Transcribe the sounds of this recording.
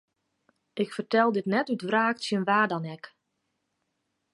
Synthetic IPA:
ʔɪkfərtɛlˠdɪtnɛtytvraːksjənʋaːdɔnɛk

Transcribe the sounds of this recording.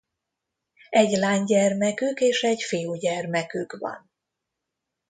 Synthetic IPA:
ɛɟlaːɲɟɛrmɛkykeːʃɛɟfijuːɟɛrmɛkykvɒ̰n

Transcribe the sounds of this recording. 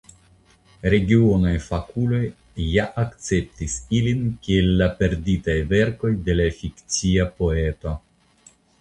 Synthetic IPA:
ɾe̞ɡionajfakulo̞jː | aʔakt͡se̞p̚tisilinkielːape̞ɾditajve̞ɾko̞jde̞lafikt͡siapo̞e̞to

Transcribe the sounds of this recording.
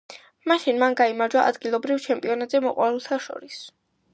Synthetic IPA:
maʃinmanɡaimaɾd͡ʒwaʔa̰d̪ɡilˠɔbɾivt͡ʃʰɛmpʼiɔnat̪ʼzɛmɔqʼwalɛlˠt̪ʰaʃɔ̰ɾis

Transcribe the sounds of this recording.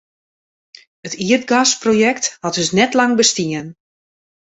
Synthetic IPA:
ətiət̚ɡasprojɛkthɑtəsnɛtlɑŋbəstiən

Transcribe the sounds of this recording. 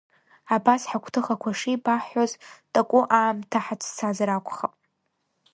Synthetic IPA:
abasħakʷʰtʰɨχakʷʰaʂibaħoztʼakʷʼʊʔaːmtʰaħat͡sʰt͡sʰazaɾakʷʰʼχapʼ

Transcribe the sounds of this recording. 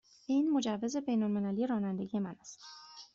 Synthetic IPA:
ʔiːnmo̞d͡ʒævːe̞ze̞be̞jnolme̞lælije̞ɾɒːnænd̪e̞ɡije̞mænæst̪

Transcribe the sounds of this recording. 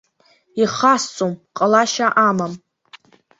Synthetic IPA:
iχast͡sʼomqʼalaʃaʔamam

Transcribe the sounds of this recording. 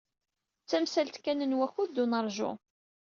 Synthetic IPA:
t͡sːæmsælt̪kænənwæçuðd̪ːunəɾˤʒʊ̰

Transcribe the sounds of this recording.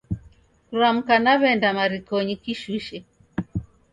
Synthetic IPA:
kuɾam̩kanaβɛndamaɾikɔɲikiʃiʃɛ

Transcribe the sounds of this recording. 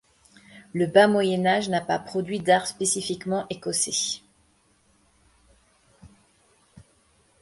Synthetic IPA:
ləbamwajɛnaʒnapa̰pχɔd̪ɥid̪aʁspesifikmɑ̃ʔekɔse

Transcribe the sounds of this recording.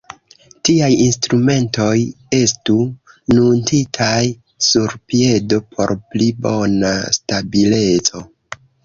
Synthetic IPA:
tiajinstɾume̞nto̞j | e̞stu | nuntitʰaj | suɾpie̞do̞pʰo̞̰ɾplibo̞na̰stabile̞t͡so̞

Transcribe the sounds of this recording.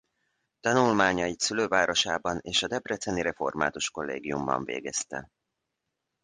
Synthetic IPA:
t̪ɒnulmaːɲɒjit̪syløːvaːɾo̞ʃaːbɒneːʃɒd̪ɛbrɛt̪sɛniɾɛfo̞̰rma̰ːt̪uʃko̞lːḛːɡijumbɒ̰ɱvḛːɡɛst̪ɛ̰

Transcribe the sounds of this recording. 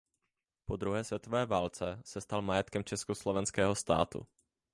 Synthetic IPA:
po̞d̪ɾuɦɛːsvjɛt̪o̞vɛːvaːlt͡sɛsɛst̪almajɛt̪kɛmt͡ʃɛskoslovɛnskɛːɦost̪a̰ːt̪ṵ

